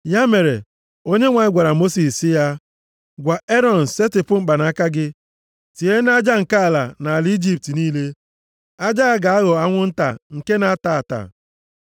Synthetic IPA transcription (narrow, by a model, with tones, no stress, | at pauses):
ja˦me˨ɾḛ˨ | o˦ɲe˦ŋʷa˨ɲɪ˦ɡʷa˨ɾa˨mo˦si˨ssɪ˦ja˦ | ɡʷa˨ʔe˦ɾɔ˨n̩˨se˦tɪ˨pʊ˦mŋ͡m̩˦k͡pa˨na˨˦ka˦ɡɪ˦ | ti˨e˦n˦a˦d͡ʒa˦ŋ̩˨ka˦a˨la̰˨na˨a˨li˦i˦d͡ʒi˦p̚ti˨niː˦le˦ | a˦d͡ʒa˦a˦ɡa˨a˦ɣɔ˨a˦ŋʷʊ˦n̩˦ta̰˨ŋ̩˨ke˦na˨a˦ta˨ta̰˨